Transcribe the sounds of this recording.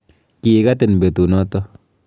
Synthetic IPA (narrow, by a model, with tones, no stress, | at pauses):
ki˨ɡa˦t̪e˨n˨be˨t̪u˨nɔ˦t̪ɔ˦